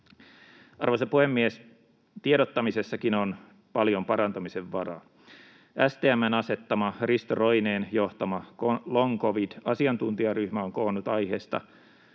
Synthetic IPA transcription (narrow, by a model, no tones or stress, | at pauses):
ʔɑrʋosɑpuhe̞mːies | t̪ieɾot̪ːɑmise̞sːɑkinon | pɑljo̞mpɑɾɑnt̪ɑmise̞ʋʋɑɾɑ̰ː | æst̪eæmːænɑse̞t̪ːɑmɑrist̪oroineːnjo̞ht̪ɑmɑkoloŋkoʋid̥̪ɑsiɑnt̪unt̪iɑryhmæoŋkohonut̪ɑjɦe̞ːst̪ɑ̰